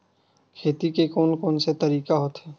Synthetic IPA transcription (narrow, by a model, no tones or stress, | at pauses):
kʰeːt̪ikekoːnkɔːnset̪ɐɾiːkaɦoːt̪ɦɛː